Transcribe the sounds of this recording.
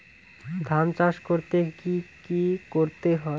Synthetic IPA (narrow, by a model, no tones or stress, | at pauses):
d̪ʱant͡ɕaʃkoɾt̪ekikikoɾt̪eɦɔe